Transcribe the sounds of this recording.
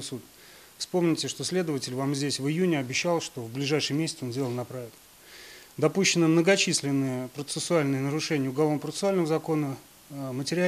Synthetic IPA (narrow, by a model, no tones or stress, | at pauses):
sut̪ | fspo̞mnʲɪtʲɪʂt̪o̞sʲlʲe̞d̪əvətʲɪlʲvamzʲdʲesʲvɨjunʲɪɐbʲɪɕːalˠʂt̪o̞vblʲɪʐajʂɨjəmʲesʲɪ̥t̪əo̞ndʲe̞ləlnɐpɾaɪkt̪ | d̪ɐpuɕːɪnːəmnəɡɐt͡ɕisʲlʲɪnːɨjəpɾət̪sɨsʊalʲnɨjənəɾʊʂɛnʲɪjəʊɡɐlˠonəpɾət̪ɨsʊalʲnəvəzɐko̞nə | mətʲɪɾʲɪa